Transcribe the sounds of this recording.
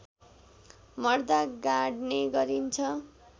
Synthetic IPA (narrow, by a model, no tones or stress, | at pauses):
mʌrd̪aɡaɽneɡʌɾint͡sʰʌ